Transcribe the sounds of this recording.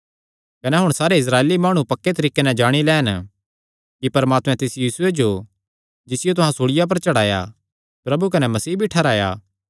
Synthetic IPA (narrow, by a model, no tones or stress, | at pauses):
kɐnɛɦʊɽ̃saːɾeɪs̬ɾaːeːlimaːɽ̃upɐkːet̪ɐɾiːkenɛ̃d͡ʒaːɽ̃ilɛːn | kipɐɾmaːt̪mɛ̃t̪ɪsjiːsʊed͡ʒo | d͡ʒɪsɪjot̪ʊɦãsoːɽɪjap̬ɐɾt͡ʃɐɽaːja̰ | pɾɐbuk̬ɐnɛmɐsiːbʱiʈʰɛɾaːja̰ː